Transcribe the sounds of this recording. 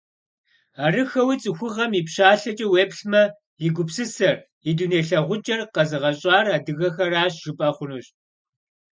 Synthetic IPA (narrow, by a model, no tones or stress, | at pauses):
aːrɨxɐwit͡sʼɨxʷʊʁɐmipɕaːɬɐt͡ʃʼɐweːpɬmɐ | jɪɡʷʊpsɨsɐr | iduneːɬɐʁʷʊd͡ʒʼɐrqɐzɨʁɐɕʼɑːraːdɨɣɐxɐraːɕʒ̥ɪpʼɐχʷʊnuːɕ